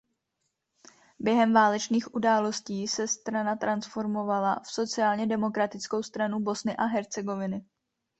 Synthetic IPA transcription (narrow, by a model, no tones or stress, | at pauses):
bjɛɦɛmvaːlɛt͡ʃniːxʔudaːlo̞sciːsɛst̪ɾanat̪ɾansfo̞ɾmo̞valafso̞t͡sɪaːlɲɛdɛmo̞kɾat̪ɪt͡sko̞wst̪ɾanubo̞snɪʔaɦɛɾt͡sɛɡo̞vɪnɪ